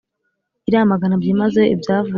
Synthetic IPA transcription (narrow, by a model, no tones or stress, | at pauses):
iɾamaɡanabjimaze̞ḭbjaːvu